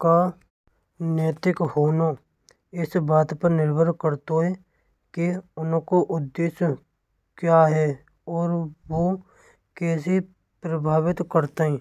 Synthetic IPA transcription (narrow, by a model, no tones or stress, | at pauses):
ka | neːt̪ɪkhoːno | ɪsbaːt̪pəɾnɪɾbʱəɾkəɾt̪oɦɛ | kiʊñkoʔʊd̪ːeːs | kjaːɦɛ | ɔːɾʋo | keːsi | pɾəbʱaːwɪt̪kəɾt̪aɦɛ̃ː